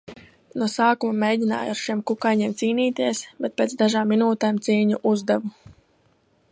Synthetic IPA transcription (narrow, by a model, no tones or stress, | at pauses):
nusaːkumameːjɟʲina̰ːjaɾʃimkukajɲiːmt̪siːniːt̪iɛsbɛt̪̚peːt̪sd̪aʒaːmːinuːt̪eːmt̪siːɲuʔuzd̪ɛvu